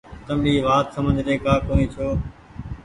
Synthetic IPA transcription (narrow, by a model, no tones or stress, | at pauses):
t̪əmɗiːʋaːt̪səmə̃d͡ʒɾeːkaːkoːnĩːt͡ʃʰoː